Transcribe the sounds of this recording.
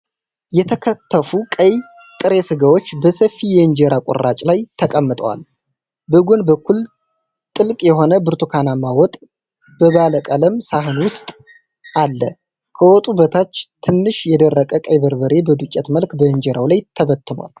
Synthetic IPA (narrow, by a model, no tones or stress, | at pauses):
jɛt̪ʰəkʰət̪ːəfukʼəj | t̪ʼɨɾe̞sɨɡawo̞t͡ʃːbəsəfːijɛɨnd͡ʒeɾakʼɔ̰rːat͡ʃʼlajt̪ʰəkʼəmːɨt̪ʼəwa̰l | bəɡʷonbəkʰːul | t̪ʼɨlkʼjɛɦo̞nəbɨɾt̪ʰukʰanamawɔt̪ʼ | b̥əβaləkʼələmsaɦɨnwʊst̪ʼ | ʔalːə̰ | kʰəwɔt̪ʼubət̪ʰat͡ʃːt̪ʰɨnːɨʃjɛd̪ərːəkʼəkʼəjbəɾbəɾe̞bəd̪ukʲʼːɛt̪məlkbəɨnd͡ʒeɾawlajt̪ʰːəβət̪ːɨma̰l